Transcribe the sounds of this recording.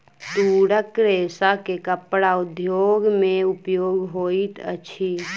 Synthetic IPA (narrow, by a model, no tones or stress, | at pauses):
t̪uɽəkɾeːsakekəpɽaʊd̪ʱjoːɡmẽʊpjoːɡɦoːit̪ə̰t͡ʃʰi